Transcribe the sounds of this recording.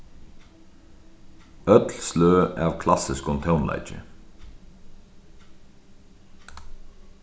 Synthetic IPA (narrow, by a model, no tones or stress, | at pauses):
œt̪lsløːɑːʋkʰlɑsɪskɔnt̪ʰaʊnlɑ̰ɪt͡ʃə̰